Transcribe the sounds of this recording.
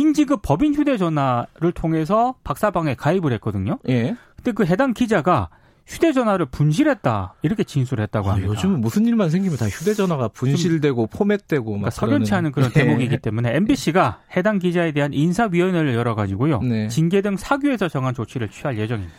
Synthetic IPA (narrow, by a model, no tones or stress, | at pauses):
iŋd͡ʑiɡɯp͈ʌbinçjude̞d͡ʑʌnwaɾɯɭtʰoŋe̞s̬ʰʌpak̚s͈abaŋe̞kaibɯɭɦe̞t̚k͈ʌdɯɲojekɯ̥nde̞kɯɦe̞daŋkid͡ʑaɡa | çʰude̞d͡ʑʌnɦwaɾɯɭpunɕ̬ʰiɾɦet̚t͈a̰iɾʌkʰe̞t͡ɕinsʰuɾɭɦe̞t̚t͈aɡoɦamːiod͡ʑimɯnmusʰɯniɭmans̬ʰe̞ŋɡimjʌntaçude̞d͡ʑʌnwaɡapunɕʰiɭde̞ɡopʰomet̚t͈we̞ɡoakasʰʌɡjʌnt͡ɕʰiɦanɯnkɯɾʌntemoɡiɡit͈e̞mune̞ːmbiɕ͈ʰiɡahe̞daŋɡid͡ʑae̞de̞ɦanʔinsʰaɥiʌnɯɭjʌɾʌɡad͡ʑiɡojonet͡ɕinɡe̞dɯŋsʰaɡjue̞sʰʌt͡ɕʌŋɦant͡ɕot͡ɕʰiɾɯɭt͡ɕʰiɦaɭje̞d͡ʑʌŋimid̥ḁ